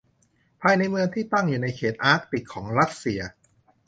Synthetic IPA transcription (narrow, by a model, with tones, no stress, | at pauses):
pʰaː˧jna˧jmɯ˧əŋt̪ʰiː˥˩t̪a˥˩ŋjuː˨˩na˧jkʰeː˨˩t̪̚ʔaː˦˥k̚t̪i˨˩kʰːɔː˩˦ŋɾa˦˥t̪̚si˧ɐ